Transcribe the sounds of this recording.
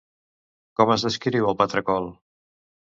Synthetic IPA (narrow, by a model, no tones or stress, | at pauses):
kɔməzðəskiɾiwəlˠpət̪ɾəkɔlˠ